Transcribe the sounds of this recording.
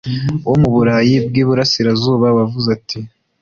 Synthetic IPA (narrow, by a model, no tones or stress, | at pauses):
womuβuɾaːjib̚ɡiːβuɾasiɾazuːβawavuzatʰi